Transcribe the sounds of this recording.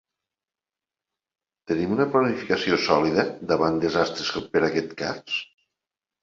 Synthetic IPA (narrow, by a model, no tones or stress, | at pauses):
t̪ənimunəplanifikəsiosɔliðəd̪aβand̪ezast̪ɾeskpəɾakɛt̪ka̰s